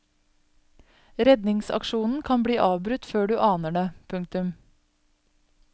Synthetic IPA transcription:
ɾɛd̪nɪŋsɑ̰kʃuːnn̩kʰɑnbɽiːʔɑːʋbɾʉt̪føːɖʉːʔɑːnəɖeːpʰʉŋk̚t̪ʉm

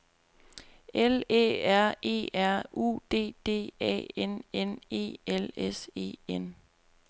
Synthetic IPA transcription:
ele̝̰ːæɐ̰e̝̰ːæɐ̰ṵːd̥e̝̰ːd̥e̝̰ːɛ̰ːenene̝̰ːelese̝̰ːen

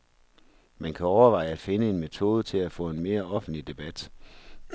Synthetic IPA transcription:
mænkʰæɒʊɐʋɑ̈ɪ̰əæ̥fe̝nəe̝nmet͡sʰo̝̰ːð̞ˠət͡sʰe̝læfɔ̰̽ːe̝nme̝ːɐɒ̽fn̩dlid̥e̝b̥æd̥

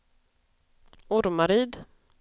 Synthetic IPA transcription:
ʊɾmaɾiːd̪

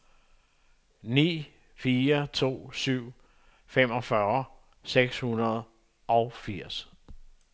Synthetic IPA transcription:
nḭː | fiːɐt͡sʰo̝̰ːsyʊ̰ | fem̰ɒ̽fɶɐ | seɡ̥shunɐð̞ˠ | ʔɒ̽ʊfiɐ̰s

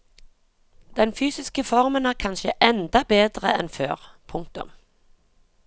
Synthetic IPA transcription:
d̪̥ɛnfyːsɪskəfɔʁmənæːʁkʰɑnʃəʔɛnd̪ɑbeːd̪ʁəɛnfø̰ːʁpʰʊŋk̚t̪ʊ̰m

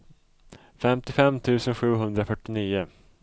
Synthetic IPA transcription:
fɛmt̪ɪfɛmt̪ʰʉ̟ːsənɧʉ̟ːɦɵnd̪ɾɔfœʈːɪniːʊ

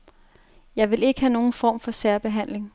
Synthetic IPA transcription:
jɑ̈ɪʋe̝le̝ɡ̥əhæno̝ːn̩fɒ̰ːmfɒ̽sæɐb̥e̝ɦæn̰le̝ŋ

